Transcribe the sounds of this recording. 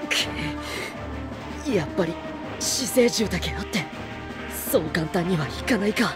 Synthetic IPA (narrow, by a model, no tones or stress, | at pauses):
kʰe | japːaɾʲi | ɕise̞ːʑɨːt̪akej̪ot̪ːe̞ | so̞nokãnt̪ãɲ̟ːiβaçi̥kanaika